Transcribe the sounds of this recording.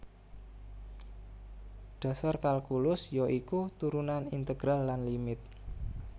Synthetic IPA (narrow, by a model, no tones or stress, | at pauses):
ɖ̥a̤sarkalkulʊsjoʔikut̪uɾunanint̪əɡ̥ɾalːanlimɪt̪̚